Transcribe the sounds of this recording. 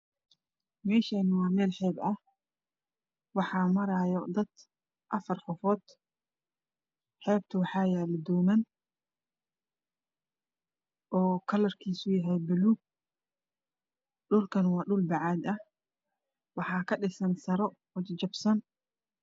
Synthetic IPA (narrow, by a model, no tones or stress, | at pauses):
mɛːʃɐːnɪwɑːmɛːlħɛːbɐ | wɑħɑːmɐɾajɔd̪ɐd̪ | ʔɐfɐrqɔfɔːd̪̥ | ħɛːb̚t̪ʰʊwɑħɑːjaːlɪd̪ɔːmɐn | ʔɔːkʰɐlɐrkʰiːsʊjɐɦɛjbɪluːɡ̚ | ɗʊlkʰɐnwɑːɖʊlbɑʕɑːd̪ɐh | wɑħɑːkʰɐɗɪsɐnsɐɾɔ | wɐt͡ʃt͡ʃɐbsɐn